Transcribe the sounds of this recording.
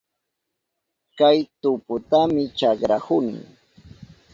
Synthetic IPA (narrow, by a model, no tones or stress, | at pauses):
kajt̪ʊpʊt̪amɪt͡ʃɑkɾahʊnɪ̰ŋ